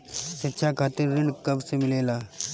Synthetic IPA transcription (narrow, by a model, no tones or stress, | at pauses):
ɕit̪ːɕʰakʰat̪iɾːiɳɖkəbsemilela